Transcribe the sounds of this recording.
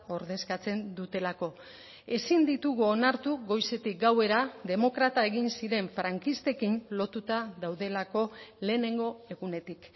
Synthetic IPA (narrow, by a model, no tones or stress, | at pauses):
o̞ɾðe̞skat͡se̞nd̪ut̪e̞lako̞ | e̞sind̪it̪uɣuonaɾt̪uɣo̞jse̞t̪ik̚ɡawe̞ɾaðe̞mo̞kɾat̪ae̞ɣinsiɾe̞ɱfɾaŋkist̪e̞kinlo̞t̪ut̪aðawðe̞lako̞le̞ːne̞ŋɡo̞e̞ɣune̞t̪ik